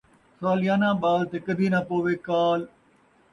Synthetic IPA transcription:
saːlɪjaːnãːɓaːlt̪eːkəd̪ʱiːnapoːʋeːkaːl

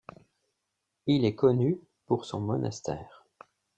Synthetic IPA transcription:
ilɛkɔny | puʁsɔ̃mɔnʔa̰st̪ɛ̰ːʁ

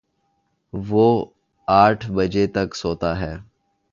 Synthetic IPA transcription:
ʋoː | aːʈʰbəd͡ʒet̪ɐksoːt̪aɦɛː

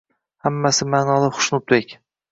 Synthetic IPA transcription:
hamːasɪmaːnɒlˠɪχʊ̥ʃnʊp̚d̪ekʲ

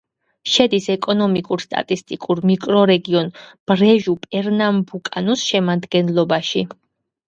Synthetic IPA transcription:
ʃɛd̪isɛkʼɔnɔmikʼuɾst̪ʼa̰t̪ʼist̪ʼikʼuɾmikʼɾɔɾɛɡiɔnb̥ɾɛʒupʼɛɾnambukʼa̰nusʃɛmad̪ɡɛnlˠɔbaʃi

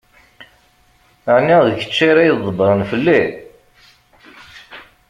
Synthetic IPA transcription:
ʕniðəçə̥t͡ʃːiɾæjðˤːəbɾˤənfəlːi

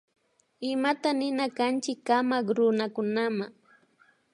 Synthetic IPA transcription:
ɪmat̪anɪnakant͡ʃɪkːamakɾʊnakʊnamaŋ

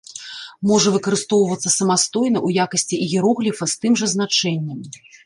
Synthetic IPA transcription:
mɔʐɐvɨkɐɾɨst̪ɔwvɐt̪sːɐsɐmast̪ɔjn̪ɐʔujakɐsʲt͡sʲiʔiɣʲiɾɔɣlʲifɐst̪ɨmʐɐznat͡ʂɛnʲːɐm

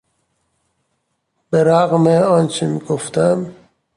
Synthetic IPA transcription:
b̥eɾaɣmeɔːnt͡ʃʰimiɡoft̪æm

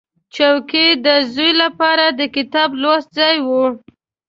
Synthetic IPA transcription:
t͡ʃawked̪əzujlapɑɾad̪əkɪt̪ɑblost̪̚zɑjwu

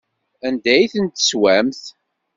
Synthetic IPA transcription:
ænd̪æjθənt̪ə̥swæmθ

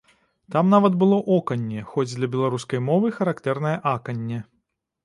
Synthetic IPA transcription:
t̪amnavɐt̪bɨlˠɔʔɔkɐnʲːɛxɔd͡zʲd̪lʲɐbʲɛlˠaɾuskɐjmɔvɨxɐɾakt̪ɛrn̪ɐjɐʔakɐnʲːɛ

